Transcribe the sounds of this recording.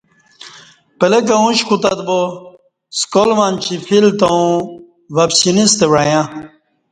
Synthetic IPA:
pɐlek̬ɐũɕkut̪ɐt̪bo | skolmant͡ɕʰifʰilt̪ɐũ | ʋɐpsinist̪eʋɽajã

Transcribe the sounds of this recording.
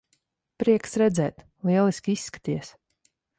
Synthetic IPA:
pɾiɛksɾɛd̪zɛːt̪ | lˠiɛlˠiskʲisːkḁt̪ʲiɛs

